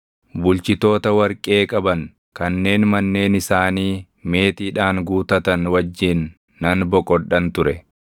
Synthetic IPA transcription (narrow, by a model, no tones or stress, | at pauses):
bʊlt͡ʃɪt̪o̞ːt̪ɐwɐɾkʼe̞ːkʼɐbɐŋ | kɐnːe̞ːnmɐnːe̞ːnɪsaːniː | me̞ːt̪iːᶑaːŋɡuːt̪ɐt̪ɐnwɐd͡ʒːɪnː | ɐnbɔkʼɔɗɐnt̪ʊɾɛ